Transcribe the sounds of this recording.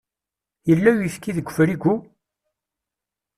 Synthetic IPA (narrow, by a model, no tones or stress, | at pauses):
jəlːæjifkːiðəɡʷːfɾiɡʷu